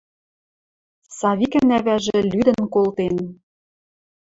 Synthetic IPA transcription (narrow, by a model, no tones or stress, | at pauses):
sɑβikɘnæβæʒĕlyd̪ɘ̆nkolt̪en